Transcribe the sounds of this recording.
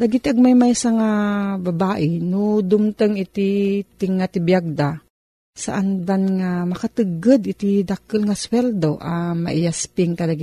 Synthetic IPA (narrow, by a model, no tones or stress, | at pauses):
d̪aɡit̪ʔaɡ̚majmajsaŋababaːʔɪnod̪ʊmt̪əŋɪt̪it̪ɪŋːat̪ɪbijaɡ̚d̪a | sa̰ʔand̪anŋamɐkat̪ɨɡəd̪ʔɪt̪id̪akəlŋaswɛld̪oʔama̰ʔɪjaspɪŋkalaɡi